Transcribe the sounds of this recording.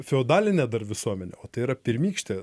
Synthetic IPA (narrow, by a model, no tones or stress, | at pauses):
fʲɛoːd̪ɑːlʲɪnʲɛd̪ɐɾʋʲɪsuɔmʲɛnʲɛ̰oːt̪ɐɪiɾɐpʲɪɾʲmʲiːkʃʲt̪ʲe